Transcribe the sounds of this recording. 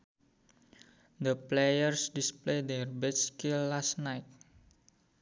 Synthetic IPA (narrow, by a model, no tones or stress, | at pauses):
d̪əplejərsdispled̪ɛrbɛtskilːastnajt̪̚